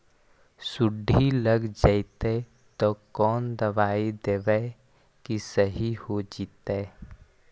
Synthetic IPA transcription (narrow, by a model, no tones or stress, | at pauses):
sʊɖʱiləɡd͡ʒait̪e | t̪ɔkɔːnd̪əʋaːid̪eːʋə | kisəɦihod͡ʒiːt̪eː